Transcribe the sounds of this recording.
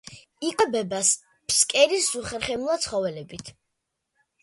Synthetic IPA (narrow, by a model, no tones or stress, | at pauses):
ikʼabɛbas | pʰskʼɛɾiszuχɛɾχɛmulˠat̪sʰχɔvɛlɛbit̪ʰ